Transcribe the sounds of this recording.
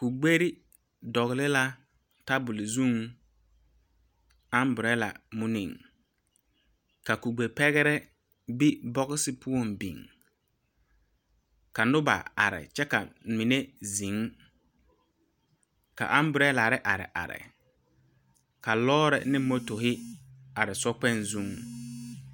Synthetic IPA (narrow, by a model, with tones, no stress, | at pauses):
ku˨ɡ͡be˦ɾi˦ | dɔ˨ɣɪ˨lɪ˦la˦ | ta˦bʊ˨lɪ˨zu˦˨ŋ | a˦mbʊ˨ɾɛ˦la̰˨mʊ˦nḭ˨ŋ | ka˨ku˨ɡ͡be˨pɛ˦ɣɛ˦ɾɛ˦ | bi˦bɔ˦ɣɪ˦sɪ˦pʰʊ˦o˨mbḭ˨ŋ | ka˨nʊ˦ba̰˨a̰˨ɾɪ̰˨t͡ʃɛ˦ka˨mi˨ne˦zĩ˨ŋ | ka̰˨ʔa˦m˦bʊ˨ɾɛ˦la˨ɾɪ˦ʔa˨ɾɪ̰˨ʔa̰˨ɾɪ̰˨ | ka˨lɔː˦ɾɛ̰˨nɪ˦mo˦to˨ɦɪ˦a˨ɾɪ˨sɔ˦k͡pɛ˦˨nzũ˦˨ŋ